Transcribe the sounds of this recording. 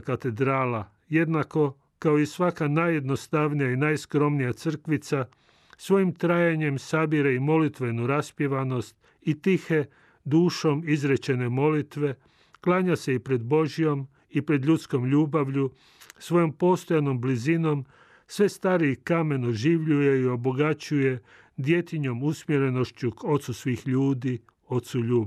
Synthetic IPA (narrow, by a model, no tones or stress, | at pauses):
kat̪e̞d̪ɾaːla | je̞d̪nako̞ | kaoisʋakanaje̞d̪no̞st̪aʋnijainaːjskɾo̞mnijat̪sr̩kʋit̪sa | sʋo̞jimt̪ɾaːjaɲe̞msabiɾeimo̞lit̪ʋe̞nuɾaspjeʋano̞st̪̚ | it̪ixe̞ | d̪uːʃo̞mizɾet͡ɕe̞ne̞mo̞lit̪ʋe̞ | klˠaːɲase̞ipɾe̞d̪bo̞ʒijo̞m | ipɾe̞d̪ʎut̪sko̞mʎuːbaʋʎu | sʋo̞jo̞mpo̞ːst̪o̞jano̞mblizino̞m | sʋe̞st̪aːɾikame̞noʒiʋʎuje̞io̞boɡat͡ɕuje̞ | d̪je̞t̪iɲo̞musmjeɾe̞no̞ʃt͡ɕuko̞t̪susʋiːxʎuːd̪i | o̞t̪suʎuːb